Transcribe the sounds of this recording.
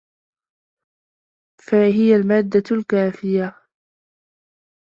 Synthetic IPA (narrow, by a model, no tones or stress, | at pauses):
faɦɪjalmaːd̪ːalkaːfɪja